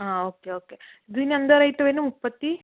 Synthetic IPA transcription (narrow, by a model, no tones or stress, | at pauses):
aːoːkeoːke | d̪iniɐnd̪ɐɾɐjt̪ɐʋenːumupːɐt̪ːi